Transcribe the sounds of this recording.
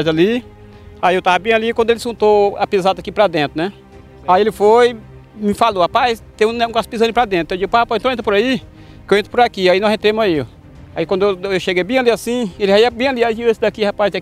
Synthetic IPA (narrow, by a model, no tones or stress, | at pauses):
jzali | aiewt̪avɐbĩalikwɐ̃d̪elɪsõt̪oapizad̪ɐakipɾad̪ẽnt̪ɾʊnɛ | aielɪfoj | mɪfalohapajst̪ẽũũɡaspizɐ̃nʊpɾad̪ẽt̪ɾt̪ɐ̃w̃d͡ʒiɡupaapaẽt̪õẽt̪ɾpʊɾai | kewẽt̪ɾɪpʊɾakiainɔzẽt̪ɾẽmʊzaiʊ | aikwɐ̃nd̪ewʃeɡejbĩaliasĩelɪaiɐbĩaliad͡ʒiɐ̃sɪd̪akihapajz